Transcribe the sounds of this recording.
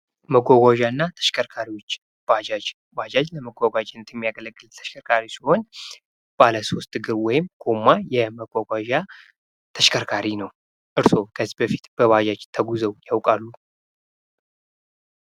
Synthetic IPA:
məɡʷaɡʷaʒaɨnːat̪ʰə̥ʃkʰʼəɾkʰaɾiwo̞t͡ʃː | b̥ad͡ʒad͡ʒ | bad͡ʒad͡ʒləməɡʷaɡʷad͡ʒnːət̪ʰjɛmːijaɡələɡːɨlt̪ʰə̥ʃkʰəɾkʰaɾisiho̞n | b̥aləso̞st̪ʼɨɡɨɾwɔjɪmkʰomːajɛməɡ̥ʷaɡʷaʒa | t̪ʰəʃkʰʼəɾkʰaɾinəw | ʔɨɾso̞kʰəzibəfi̥t̪b̥əbad͡ʒad͡ʒt̪ʰəɡuzəwjawkʼalːu

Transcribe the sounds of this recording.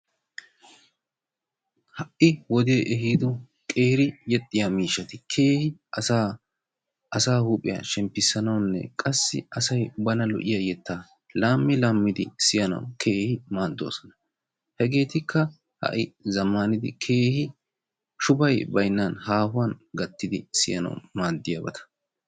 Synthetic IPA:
hɐʔɪwɔd̪eʔɛɦiːd̪ɔ | kʼeːɾɪjɛt̪ʼːɪjaːmiːʃːɐt̪ɪkʰe̞ːhɪɐsa | ɐsaːhuːpʼːɪja̰ʃɛmpːɪsːɐnɐwnːɛ̰kʼɐsːɪ̰ɐsɐjbɐnɐlɔ̰ʔɪjajɛt̪ʰːaː | laːmːɪlaːmːɪd̪ɪsɪjɐnɐ̰wkʰe̞ːhɪmaːd̪ːo̰ːsɔnɐ | hɛɡe̞ːt̪ɪkʰːɐ | hɐ̰ʔɪzɐmːanɪd̪ɪ̰kʰe̞ːhɪ | ʃʊbɐjbɐjnːɐnhaːhʊwɐnɡɐt̪ːɪd̪ɪ̰sɪjɐnɐ̰wmaːd̪ːɪjabɐt̪ʰɐ̥

